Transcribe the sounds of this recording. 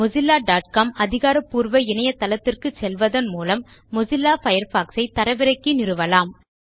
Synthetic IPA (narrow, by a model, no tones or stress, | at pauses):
mʊzɪlːaːɖaːʈ̚kaːmɐðɪɣaːɾɐpːuːɾʋɐɪnɐjɐt̪ːɐlɐt̪ːɪrkɯt͡ʃɛlʋɐðɐnmuːlɐmː | ʊzɪlːaːfɐjɐɾfaːksɐɪt̪ɐɾɐʋɪɾɐɪkːɯnɪɾɯʋɐlaːm